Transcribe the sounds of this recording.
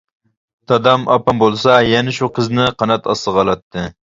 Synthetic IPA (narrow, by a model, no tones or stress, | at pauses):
t̪ʰɑd̪ɑmɑpɑmbolˠsɑjɛnɛʃuqʰəznɪqʰɑnɑt̪ʰɑsəʁɑlˠɑt̪ːɨ